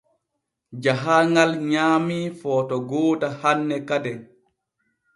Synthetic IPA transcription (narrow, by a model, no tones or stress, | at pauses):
d͡ʒaɦaŋɡalɲaːmifɔːtɔɡɔːdahanːɛkadɛ